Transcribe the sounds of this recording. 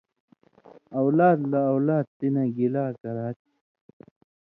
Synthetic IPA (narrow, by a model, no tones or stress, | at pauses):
ɐwlaːd̪lɐːwlaːd̪̚t̪inɐɡilaːkɐɾaːt̪